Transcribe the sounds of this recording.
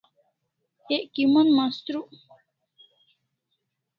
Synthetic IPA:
eʔkimunmast̪ɾuʔ

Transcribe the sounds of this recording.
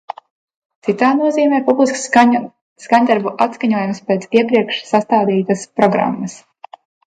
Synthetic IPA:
t̪sit̪aːnuɔziːmɛːpublˠisks | skaɲd̪aɾbuʔat̪skaɲuɔjumspʲeːt̪siɛpɾiɛkʃsast̪aːd̪iːt̪aspɾɔɡɾa̰mːɐs

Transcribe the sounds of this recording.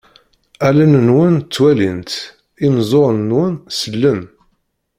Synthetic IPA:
ælənənwənt͡sːwælint̪ | imzˤoɾˤnnwənsəlːən

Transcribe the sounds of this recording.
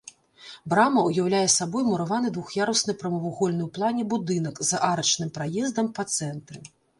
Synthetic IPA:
bɾamɐujawlʲajɛsabɔjmuɾavan̪ɨd̪vuxjaɾusnɐjpɾɐmɐvuɣɔlʲnɨwplˠanʲɛbud̪ɨn̪ɐkzɐʔaɾɐt͡ʂnɨmpɾajɛzd̪ɐmpɐt̪sɛnt̪ɾɨ

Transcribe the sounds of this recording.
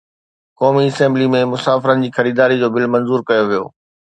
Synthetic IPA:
kɔːmiɪsɛ̃ːmblimẽmʊsaːfɪɾənɪ̆d͡ʑiːxɐɾiːd̪aːɾid͡ʑoːbɪlmɐ̃nzuːɾkɐjoʋijo̰ː

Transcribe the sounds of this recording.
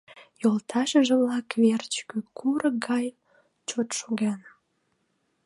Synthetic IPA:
jolt̪ʰɑʃəʒəβlɑkvert͡ɕkykʰuɾəɡɑj | t͡ɕot̪ʃoɣen

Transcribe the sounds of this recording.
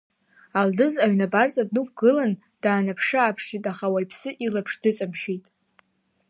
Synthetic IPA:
aldɨzaɥnabart͡sʼadnukʷʰɡ̥ɨlan | d̥aːnapʰʂɨaːpʰʂitʼaχawaipʰsɨʔilapʰʂdɨt͡sʼamʃᶣitʼ

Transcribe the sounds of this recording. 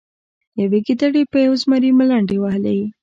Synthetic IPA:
jaweɡid̪aɽepəjawzmaɾiməlaɳɖewahla̰ji

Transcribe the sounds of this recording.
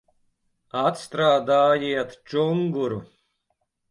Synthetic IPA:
at̪st̪ɾaːd̪aːjiɛt̪t͡ʃuŋɡuɾu

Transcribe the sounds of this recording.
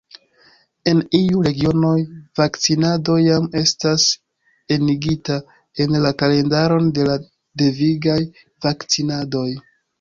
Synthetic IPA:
e̞nijuɾe̞ɡio̞no̞jvakt͡sinado̞jame̞stas | e̞niɡita | e̞nlakale̞ndaɾo̞nde̞la | de̞viɡaj | vakt͡sinado̞j

